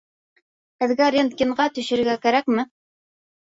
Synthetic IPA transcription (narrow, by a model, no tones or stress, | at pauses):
hɘ̆ðɡæɾʲent̪̚kʲiɴɢɑt̪ɵ̆ʃɘ̆ɾɡækæɾækmɘ